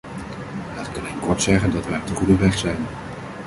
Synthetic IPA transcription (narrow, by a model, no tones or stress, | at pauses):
ətkənɪnkɔɹtsɛχəndɑtʋɛjtəχudəʋɛχsɛjn